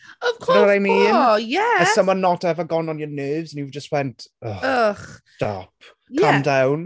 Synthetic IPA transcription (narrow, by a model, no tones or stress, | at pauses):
ɔv̥wkʰɔɾwɔɾajmiːnjɛəsəmɔnɔtʰɛvəɡɔnɔnjənøːvzənjivd͡ʒəstwɛntʰɔʊχstɔ̰pʰ | jkʰamdawn